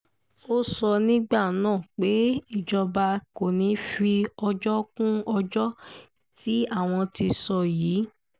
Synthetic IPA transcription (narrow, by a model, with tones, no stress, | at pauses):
o˦sɔ˧nĩ˦ɡ͡ba˦˨nãː˦˨k͡pe˨˦i˦˨d͡ʒɔ˧ba˧ko˨nĩ˨˦fi˧ɔ˧d͡ʒɔ˦kũ˦ɔ˧d͡ʒɔ˦ | ti˦a˦˨w̃ɔ̃˧ti˧sɔ˧jiː˨˦